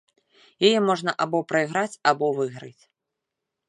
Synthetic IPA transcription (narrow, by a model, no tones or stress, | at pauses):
jajɛmɔʐn̪ɐʔabɔpɾɐiɣɾat͡sʲabɔvɨɣɾɨt͡sʲ